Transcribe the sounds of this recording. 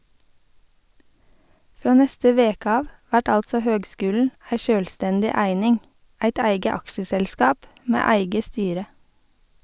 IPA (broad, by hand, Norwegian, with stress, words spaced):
ˈfɾoː ˈnɛstə ˈʋeːkə ˈɑːʋ ˈʋæʈ ˈɑltsɔ ˈhøːɡˌskʉːln̩ ˈæɪ ˈʃøːlˌstɛndɪ ˈæɪnɪŋ ˈæɪt ˈæɪɡə ˈɑkʃəsɛlˌskɑːp ˈmeː ˈæɪɡə ˈstyːɾə